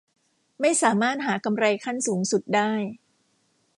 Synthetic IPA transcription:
ma˥˩jsaː˩˦maː˥˩t̪̚ɦaː˩˦ka˧mɾa˧jkʰa˥˩nsuː˩˦ŋsu˨˩t̪̚daː˥˩j

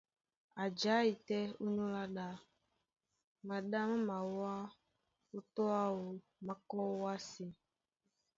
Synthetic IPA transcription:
a˨d͡ʒa˨˦i˨tɛ˦u˦nũ˦la˦ɗa˦ | mã˨ɗa˦mã˦mã˨wa˦ | o˦tɔ˦a˦wo˨ | mã˨kɔ˦wa˦si˨

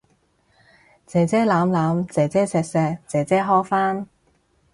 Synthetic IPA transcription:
t͡sɛː˨˧˥t͡sɛː˥laː˨˥mlaː˨˥mt͡sɛː˨˥t͡sɛː˥sɛː˧k̚sɛː˧k̚t͡sɛː˨˥t͡sɛː˥ɦɔː˥faː˥n

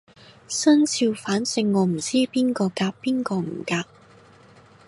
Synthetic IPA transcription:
sɵ˥nt͡sʰiː˧wfaː˨˥nsɪ˨˧ŋːɔː˨˧m̩˨˩t͡siː˥piː˥nkɔː˧kaː˧k̚piː˥nkɔː˧m̩˨˩kaː˧k̚

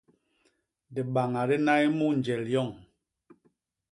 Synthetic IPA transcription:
di˨ɓa˨ŋa˨ɾi˦na˦i˦mu˦n˨d͡ʒɛ˨ljɔ˦˨ŋ

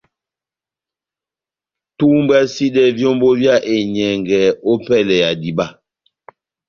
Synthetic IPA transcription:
tu˦m˦ba˦si˦ɗɛ˦vjɔ˦mbo˦vja˦˨ʔe˨ɲɛ˨ŋɡɛ˨o˦pɛ˦˨lɛ˨ja˨di˨ba˦˨

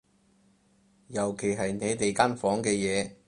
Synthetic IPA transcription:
jɐ˨˩wkʰe˨˩jɦɐ˨jne˨˥jt̪e˨jka˥nfɔː˨˥ŋkɛː˧jɛː˨˧

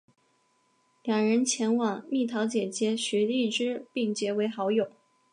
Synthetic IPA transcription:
ljɑ˨˩ŋɻə˧˥nt͡ɕʰjɛ˧˥nwɑ˨˩˦ŋmi˥˩t̪ʰɑ˧˥ʊt͡ɕjɛ˨˩t͡ɕjɛ˧˥ɕɥɛ˧˥i˥˩ʈ͡ʂɻ̩˥pi˥˩ŋt͡ɕjɛ˧˥we˧˥ɪxɑ˧˥ʊjo˨˩˦

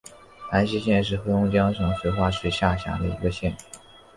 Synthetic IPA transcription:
na˧˥nɕi˥ɕjɛ˥˧nʂ̬ɻ̩˥˩xɤ˥ʊ˥ŋt͡ɕjɑ˥ŋʂʰɤ˧˥ŋɕwe˧˥ɪxwa˥ʂ̩˥˩ɕja˥˩ɕja̰˧˥d̪ə˧ḭ˧˥ɡə˧ɕjɛ˥˩n

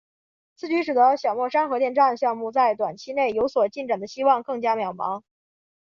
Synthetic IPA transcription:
t͡sʰɹ̩˥˩t͡ɕy˧˥ʂɻ̩˨˩d̪ə˧˦ɕjɑ˨˩ʊmwɔ˥˩ʂa˥nxɤ˧˥t̪jɛ˥˧nʈ͡ʂa˥˩nd̪ə˩ɕjɑ˥˧ŋmu˥˧t͡sa˥˩ɪt̪wa˨˩nt͡ɕʰi˥ne˥˩ɪjo˧˥ʊswɔ˨˩t͡ɕi˥˩nʈ͡ʂa˨˩ŋd̪ə˦ɕi˥wɑ˥˧ŋkɤ˥˩ŋt͡ɕja˥mjɑ˨˩ʊmɑ̰˧˥ŋ

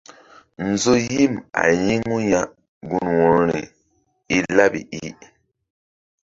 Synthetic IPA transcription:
n̩˨zo˦ji˦ma̰˨ji˦ŋu˦ja˦ʔ | ɡu˦nwɔ˨ɾɾi˨ | i˦la˦bḭ˨i˦

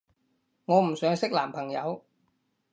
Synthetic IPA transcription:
ŋɔː˨˧m̩˨˩sœː˨˥ŋsɪ˥k̚laː˨˩mpʰɐ˨˩ŋjɐ˨˧w

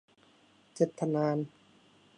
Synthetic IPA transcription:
t͡ɕe˧˩t̪ʰːa˧naː˧n

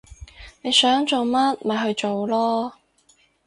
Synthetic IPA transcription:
ne˨˧jsœː˨˥ŋt͡so˨wmɐ˥t̚mɐ˨˩jɦɵ˧ɥt͡so˨wlɔː˥

